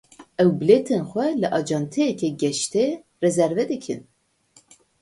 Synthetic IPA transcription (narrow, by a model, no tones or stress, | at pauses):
ɛwbɨleːt̪ʰenxʷɛlɨʔɑːd͡ʒɑnt̪ʰɛjɛkʲʰɛɡɛʃt̪e | rɛzɛɾvɛd̪ɨkʰɨ̰n